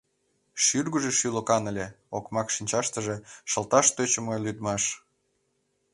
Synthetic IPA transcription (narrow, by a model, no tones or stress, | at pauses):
ʃyrɣəʒeʃylokɑnə̆lʲe | okmɑkʃinʲt͡ɕɑʃt̪əʒeʃə̆lt̪ɑʃt̪øt͡ɕə̆məlyd̪mɑʃ